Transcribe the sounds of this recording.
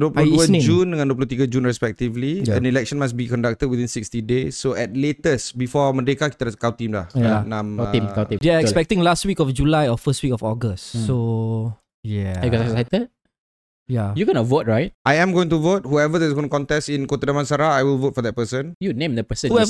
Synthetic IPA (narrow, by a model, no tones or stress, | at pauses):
doplə̃d͡ʒũndəŋãndoplut̪iɡəd͡ʒũnɹɛspɛk̚tivliãnilɛk̚ʃə̃nmas̬bikɔ̃ndak̚təd̚wiθĩnsikstidesːoɛt̚letəsbifɔmədekakit̪ədaskawt̪ĩmlahanãmĩmkaĩdeaɛkspɛk̚tĩŋlastwikɔfd͡ʒulajɔfəst̚wikɔfɔɡəstso | jɛbikɔsasatəd̚ | jajuɡɔnəvot̚ɹajt̚ʔajɛ̃mɡoĩŋtuvot̚huɛvədɛs̬ɡõtukɔ̃ntɛsĩnkot̪ədamãnsaɾaajwilvot̚fɔd̪ɛt̚pəsə̃njunẽmd̪əpəsə̃nhu